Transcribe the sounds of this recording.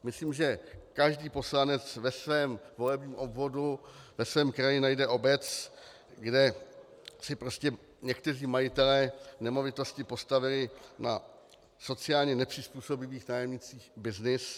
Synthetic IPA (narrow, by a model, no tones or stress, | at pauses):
mɪsliːmʒɛkaʒdiːpo̞slanɛt͡svɛsvɛːmvo̞lɛbɲiːmʔo̞bvo̞duvɛsvɛːmkɾajɪnajdɛʔo̞bɛt͡s | ɡdɛ | sɪpɾo̞scɛ | ɲɛkt̪ɛr̝iːmajɪt̪ɛlɛːnɛmo̞vɪt̪o̞scɪpo̞st̪avɪlɪna | so̞t͡sɪaːlɲɛnɛpr̥ɪspuːso̞bɪviːxnaːjɛmɲɪt͡siːxbɪznɪs